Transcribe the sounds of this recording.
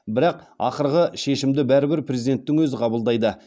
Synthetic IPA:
bɪɾɑq | ɑ̰qəɾʁəʃe̞ʃɪmd̪ɪbæɾɪbɪɾpʰrʲezijd̪e̞nt̪ːɪŋwɵzɪqʰɑbəlˠd̪ɑjd̪ə

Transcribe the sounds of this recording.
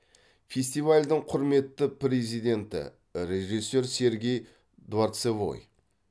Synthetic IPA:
fʲe̞st̪ijvalʲd̪əɴqʰʊɾme̞t̪ːəpɾe̞zijd̪e̞nt̪ɪ̰ | ɾe̞ʒisːe̞ɾse̞ɾɡʲe̞j | d̪uaɾt̪sevo̰j

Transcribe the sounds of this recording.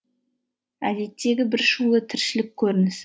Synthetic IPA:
æ̰d̪e̞t̪ːe̞ɡʲɪbɪɾʃulˠət̪ʰɪɾʃɪlɪk̚ʲʰːɵɾɪnɪs

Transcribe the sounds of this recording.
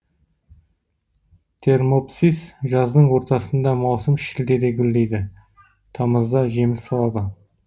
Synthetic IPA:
t̪ʰe̞rmopsisʒɑzd̪əɴwo̞ɾt̪ɑsənd̪ɑmɑwsəmʃɪld̪e̞d̪e̞ɡʲʏld̪e̞jd̪ɪ | t̪ʰɑməzd̪ɑʒe̞mɪsːɑlˠɑd̪ə

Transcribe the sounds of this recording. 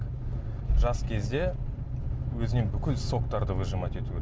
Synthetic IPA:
ʒɑskʲʰe̞zd̪e̞ | wɵzɪne̞ŋbʏkʲɪlso̞kt̪ɑɾd̪əvəʒəmɑt̪e̞t̪u

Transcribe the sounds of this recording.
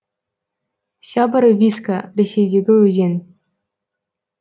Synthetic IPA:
sʲɑbɤ̆ɾvʲiskarʲesʲejdʲeɡʲɘ̆ɵzʲenʲ

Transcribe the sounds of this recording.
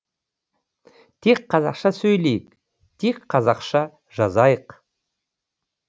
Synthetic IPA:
t̪ʰe̞k̚qʰɑzɑ̰qʃɑsɵjle̞jɪk | t̪ʰekqʰːɑzɑqʃɑ | ʒ̥ɑzɑjəq

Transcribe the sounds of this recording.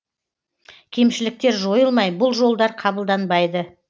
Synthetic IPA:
kʲʰe̞mʃɪlɪk̚t̪e̞ɾʒo̞jəlˠmɑjbʊlˠʒo̞lˠd̪ɑɾqʰɑbəlˠd̪ɑnbɑjd̪ə

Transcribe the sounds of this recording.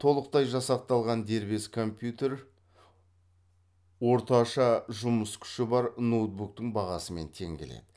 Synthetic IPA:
t̪ʰo̞lˠəq̚t̪ɑjʒɑsɑq̚t̪ɑlˠʁɑnd̪e̞ɾbe̞skʰo̞mpjut̪e̞ɾ | wo̞ɾt̪ɑʃɑʒʊməskʲʰʏ̥ʃɪbɑɾnot̪̚buk̚t̪əɴbɑʁɑsəme̞nt̪ʰe̞̰ŋɡʲele̞̰d̪ɪ

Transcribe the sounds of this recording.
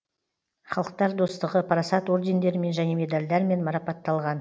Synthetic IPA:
χɑlˠəq̚t̪ɑɾd̪o̞st̪əʁəpʰɾɑsɑt̪o̞ɾd̪e̞nd̪e̞ɾɪme̞nʒæne̞me̞d̪alʲd̪ɑɾme̞nmɑɾɑpɑt̪ːɑlˠʁɑn

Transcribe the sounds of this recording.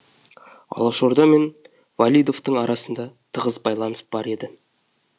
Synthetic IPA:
ɑ̰lˠɑʃo̞ɾd̪ɑme̞n | valʲijd̪o̞ft̪əɴɑɾʔɑsənd̪ɑ | t̪ʰəʁəzbɑjlˠɑnəsb̥ɑɾe̞d̪ɪ

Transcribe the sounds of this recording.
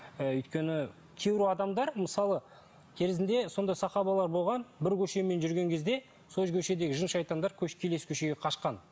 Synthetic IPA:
ʏjt̪kʲe̞nɪ | kʲʰewɾuɑd̪ɑmd̪ɑɾməsɑlˠə | kʲʰe̞ɾɪzɪnd̪e̞so̞nd̪ɑjsɑqɑβɑlˠɑɾbo̞lˠʁɑnbɪɾkʲʰɵʃe̞me̞nʒʏɾɡʲe̞ŋkʲʰe̞zd̪e̞ | soʒkʲʰɵʃe̞d̪e̞ɡʲɪʒənʃɑjt̪ɑnd̪ɑɾkʲʰɵʃkʲʰe̞le̞skʲʰɵʃe̞ɡʲe̞qʰɑʃqɑn

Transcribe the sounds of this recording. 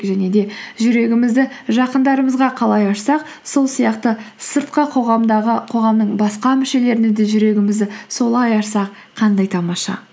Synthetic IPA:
ʒæne̞d̪e̞ʒʏɾe̞ɡʲɪmɪzd̪ɪʒɑqənd̪ɑɾəməzʁɑqʰɑlˠɑjɑʃsɑq̚ | so̞lˠsijɑqt̪əsəɾt̪qəqʰo̞ʁɑmd̪ɑʁəqʰo̞ʁɑmnəɴbɑsqɑmɪʃe̞le̞ɾɪnɪd̪ɪʒʏɾe̞ɡʲɪmɪzd̪ɪso̞lˠɑjɑʃsɑq | qʰɑnd̪ɑjt̪ʰɑmɑʃɑ̰

